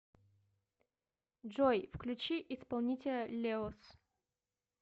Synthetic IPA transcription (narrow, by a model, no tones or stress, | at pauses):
ʐɔjfklʲʉt͡ɕiʔɪspɐlˠnʲitʲɪlʲəlʲeɔs